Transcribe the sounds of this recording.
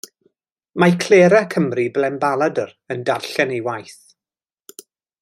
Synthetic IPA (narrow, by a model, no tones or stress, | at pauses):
makʰl̥eːɾakʰəmriblɛmbalˠadər | əndarɬɛnejwajθ